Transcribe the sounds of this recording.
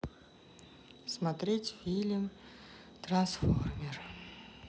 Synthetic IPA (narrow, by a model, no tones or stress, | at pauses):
smat̪rʲetʲfʲilʲm | t̪ransformʲer